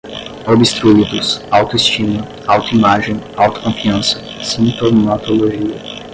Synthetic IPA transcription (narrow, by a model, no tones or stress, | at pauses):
obɪst̪ɾuid̪ʊsawt̪ʊist͡ʃĩmɐ | awt̪ʊimaʒẽj̃awt̪ʊ̥kõfiɐ̃sɐ | sĩnt̪omat̪oloʒiɐ